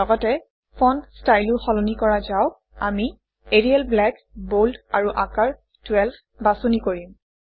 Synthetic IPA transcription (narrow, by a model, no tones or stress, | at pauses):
ɔɡɔtɛ | pʰɔnstajlʊxɔlɔnikɔɹazaʊ | ami | eɹialblɛk | boldaɹuʔakaɹ | twɛlbʰ | basonikoɹim